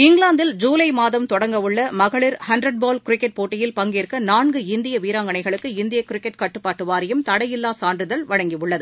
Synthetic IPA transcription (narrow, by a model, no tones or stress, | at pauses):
ɪŋɡɭaːnd̪ɪld͡ʒuːlɐɪmaːðɐmt̪ɔɽɐŋɡɐʋɯɭːɐmɐɣɐɭɪɾhɐndɾɐɖ̚baːlkɪɾɪkːɛʈ̚poːʈːɪjɪlpɐŋɡɪɪɾkːɐnaːɳɡɯɪnd̪ɪjɐʋiːɾaːŋɡɐɳɐɪɣɐɭɯkːɯɪnd̪ɪjɐkːɪɾɪkːɛʈ̚kɐʈːɯpːaːʈːɯʋaːɾɪjɯmt̪ɐɽɐjɪlːaːsaːndrɯðɐlʋɐɻɐŋɡiɯɭːɐðɯ